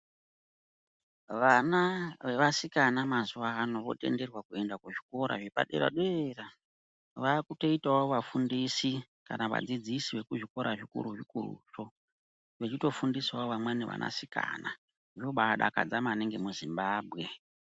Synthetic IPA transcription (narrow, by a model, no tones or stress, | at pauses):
ʋanaʋeʋasikanamazuʋaːno̞ʋo̞̰te̞̰nde̞rwakue̞ndakuʐiko̞ɾa̰ʐepa̰ɗḛɾa̰ɗeera | ʋaːkuto̞itaoʋafundisikanaʋa̰d͡zid͡zisiʋe̞kuʐiko̞ɾaʐikṵɾuʐikurṵʂo̞ | ʋet͡ʃito̞fundiswaoʋamwaneʋa̰nʔa̰sika̰na | ʐoɓaɗa̰ka̰d͡zamaːneŋɡe̞muzimbaːbʱɣe̞